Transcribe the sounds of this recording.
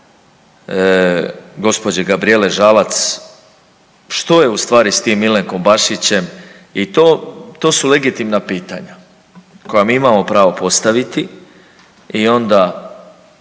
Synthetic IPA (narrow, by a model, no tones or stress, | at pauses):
ɡo̞spo̞d͡ʑeɡabɾie̞le̞ʒalat̪s | ʃt̪o̞je̞ust̪ʋaːɾist̪iːmːile̞ŋko̞mbaʃit͡ɕe̞m | it̪oːt̪o̞ːsule̞ɡit̪imnapiːt̪a̰ɲa | ko̞jamiːimaːmo̞pɾaːʋo̞po̞st̪aʋit̪i | io̞nd̪a